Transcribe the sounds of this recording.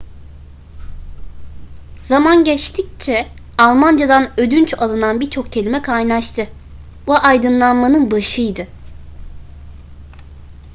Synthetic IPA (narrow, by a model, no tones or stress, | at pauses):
zamanɟɛt͡ʃt̪ʰic̚t͡ʃʰɛ | alˠmand͡ʒad̪anød̪ynt͡ʃalˠɯnanbiɾt͡ʃʰo̞k̚cʰe̞lʲimɛkʰajnaʃt̪ʰɯ | buʔajd̪ɯnlˠanmanɯnbaʃɯjd̪ɯ